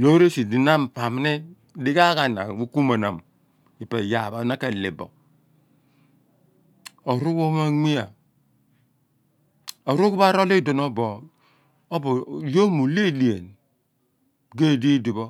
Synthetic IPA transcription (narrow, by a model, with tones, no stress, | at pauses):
lo˦ɾe˦si˨di˨na˦m̩˨pa˨m˨˦ni˦ | di˦ka˦ka˨na̰˨wu˦ku˦ma˨na˨m˨ | i˨pe˨ja˨ba˨˦na˦ke˨lḛ˨bɔ̰˨ | o˨ɾu˦ko˦ma˦ŋi˦ja˨ | o˨ɾu˦ku˦ba˦ɾo˦li˦do˨no˦bo˨ | o˦bo˨jo˦mu˨le˦li˨e˨n | ɡe˦˨di˦di˨bo˦